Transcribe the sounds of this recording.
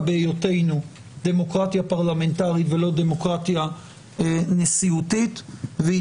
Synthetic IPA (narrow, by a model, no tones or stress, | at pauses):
beːjote̞jnu | d̪e̞mo̞kʁatjapaʁlame̞ntaʁitvelo̞de̞mo̞kʁatja | nesiutitve